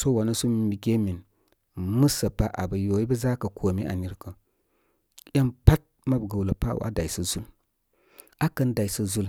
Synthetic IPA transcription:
so˦wa˨nə˦su˦m˨˦mi˨ɡʲe˦mi˨n˨ | mə˦sə˨pa˦ʔa˨bɐ˨jo˨i˦bə˦za˦kɐ˨kʰo˨mi˦ʔa̰˨ni˦ɾkə˨ | jʲa˦mpa˦t̚ma˦bɡə˨wlə˨pa̰˦w̰ʔa̰˦da˨i˨sə˨zu˦l | a˦kə˦nda˨i˨sə˨zu˦l

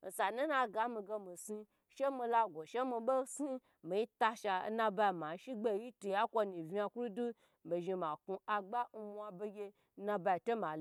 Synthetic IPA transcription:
n̩˨sa˨nu˦na˧ɡa˦mi˧ɡe˧mi˨si˧ | ʃe˦mi˧la˧ɡʷo˨ʃe˦mi˧ɓo˦si˦ | mi˨ji˦ta˧ʃa˧˦nã˧ba˧˨ma˨˦ʃi˦ɡ͡be˦˨ji˦tu˨ja˦kʷo˧ni˨vi˦a˧ku˦ɾu˦du˦˨ | be˨ʒi˧ma˨ku˧a˧ɡ͡ba˦n̩˧mʷ˦˧a˧be˧ɡʲe˧˦ | na˧ba˧i˨to˦ma˨l

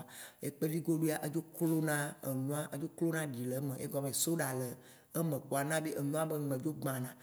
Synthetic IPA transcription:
ḛ˦k͡pe˦li˦ɡo˦ɖu˦a˦ʔe˦d͡ʒo˦klo˦nã˦ḛ˨nũ˦a˦ʔə˦d͡ʒo˦klo˦nã˦ɖi˨le˨˦mẽ˨ʔe˦ɡɔ˦bẽ˨so˦ɖa˨le˨ | e˦mẽ˨k͡po˨a˨nã˦ɖe˦ʔe˨nũ˦a˦be˦˨ẽ˨d͡ʒo˦ɡ͡bã˨nã˨

